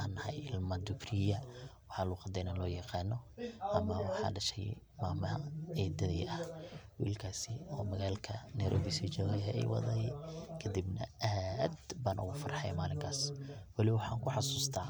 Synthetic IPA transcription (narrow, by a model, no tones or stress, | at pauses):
anːɐhɐjɪlmɐd̪ʊkrɪjɐwɑħɑːluːqɑd̪ɛjnɐlɔːjɑqɑːnɔʔɐmɐwɑħɑ̰ːɖɐʃɛj | maːmɐhɐ̰ɛd̪ɐðɛjʔɐhwḭːlkʰaːsɪɔːmɐɣaːlkʰɐnɛjɾʔɔ̰ːbisit͡ʃɛlɐjɛɛ̰jwɑ̰ðɐjkʰɐd̪ibnɐ̰ʔaːd̪baːnʔʊ̰ɣʊfɑrɑħɑ̰jmaːlɪŋkʰaːswɑlɪwwɑħɑːŋkʰʊħɑsuːst̪ʰaː